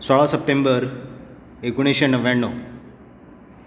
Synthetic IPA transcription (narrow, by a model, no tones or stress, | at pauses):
sɔɭasəp̚ʈẽmbəɾ | eɡuɽ̃eɕənːəʋɛɳːo̰